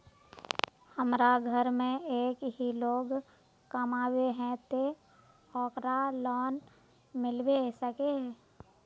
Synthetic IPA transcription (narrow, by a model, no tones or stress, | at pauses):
həmɾaɡʱəɾmẽeːkɦiloːɡ | kəmaːweɦɛ̃t̪e | ɔːkɾalɔːn | mɪlbesəkeɦɛː